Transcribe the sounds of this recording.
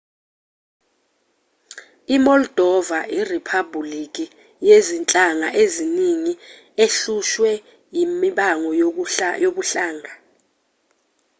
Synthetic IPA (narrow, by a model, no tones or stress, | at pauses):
imɔld̥ʱɔvairipʰabulikʼi | jezint͡ɬʼaŋaʔeziniŋi | eɬuʃwɛ | jimiɓaŋɔjjok̬uɬaːŋa